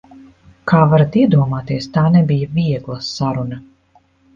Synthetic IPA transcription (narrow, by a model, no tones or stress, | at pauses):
kaːvaɾat̪iɛd̪uɔmaːt̪iɛst̪aːnɛbijaviɛɡlˠɐsaɾunɐ